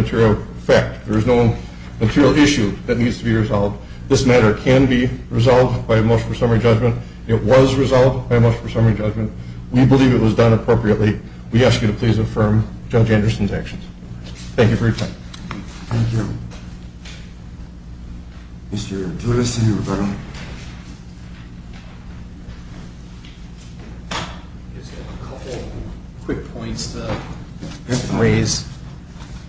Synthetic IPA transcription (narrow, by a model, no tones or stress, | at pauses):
ɨtʰɪɹil̩ˠ | fæk̚t̚ðə˞ɨznoʊ | mɨtʰɪɹil̩ˠɪʃʉðɨtⁿnidz̥tʰəbiɹɨzɑlˠvd | ðɪsmæɾə˞kʰɨ̃nbiɹɨzɑlˠvdbaɪmʌt͡ʃfə˞sʌmə˞id͡ʒʌd͡ʒmɨ̃nt | ɪʔwʌzɹɨzɑlˠvdbaɪmʌt͡ʃfə˞sʌmə˞id͡ʒʌd͡ʒmɨ̃nʔ | wibəlivɨt̚wʌzdʌ̃nəpʰɹ̥oʊpɹiɨʔˡli | wiæskjɨɾɨpʰl̥izɨfɜ̃˞m | d͡ʒʌd͡ʒæ̃ndə˞sn̩zækʃn̩z̥ | θæ̃ŋkjʉfə˞jə˞tʰãɪ̃m | θæ̃ŋkju | mɪstə˞duɾɨsɨ̃niɹəbaɾə | zɨəkʰʌpl̩ˠ | kʰw̥ɪk̚pʰɔ̃ɪ̃ntstʰə | θɛ̃ŋɹeɪz̥